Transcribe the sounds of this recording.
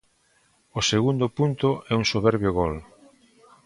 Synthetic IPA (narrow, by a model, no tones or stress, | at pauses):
ʊseɣund̪ʊpunt̪ʊɛuŋsoβɛɾβjoɣɔl